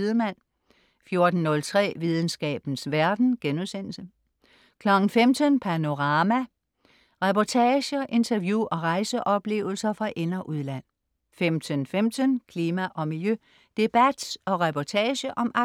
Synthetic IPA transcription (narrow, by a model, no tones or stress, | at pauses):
ðˠmæn̰ | fjo̝ɐd̥n̩ːɔ̽lt͡sʰʁɛ̰ːʋið̞ˠn̩sɡ̥ɛ̰ːb̥n̩sʋæɐd̥n̩ɡ̥enuðˠsen̰l̩sə | kʰlɒ̽ɡ̥n̩femd̥ʰənpʰæno̝ʁɑːmæ | ʁɛpɒt͡sʰɛːɕəʔe̝nt͡sʰɐʋjuʔɒ̽ʁɑ̈ɪsəʔɒ̽b̥le̝̰ːʊl̩sɐfʁɑ̈ʔe̝nɐʔuðˠlæn̰ | femd̥ʰənfemd̥ʰənkʰliːmæʔɒ̽miljø | d̥e̝b̥æd̥sɒ̽ʁɛpʰɒt͡sʰɛːɕəʔɒ̽mɑ̈